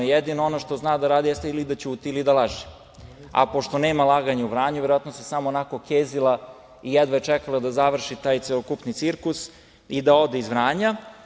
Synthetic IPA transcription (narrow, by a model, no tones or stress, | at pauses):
jed̪inoonoʃt̪o̞znaːd̪aɾaːd̪ijest̪eilid̪at͡ɕut̪iilid̪alˠaʒi̥ | a̰po̞ʃt̪o̞ne̞ːmalˠaːɡaɲauʋɾaːɲuʋeɾoat̪nosesamoːnako̞keːzilˠa | ijed̪ʋajet͡ʃɛkalˠad̪azaʋr̩ʃit̪aːjt̪selokupnit̪siɾkus | id̪ao̞d̪eizʋɾaːɲa